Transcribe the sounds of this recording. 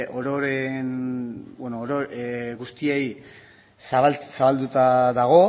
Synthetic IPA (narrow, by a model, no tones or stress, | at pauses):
ʔoɾoɾenbenoɾoɣust̪iej | saβasaβald̪ut̪aðaɣ̞o̞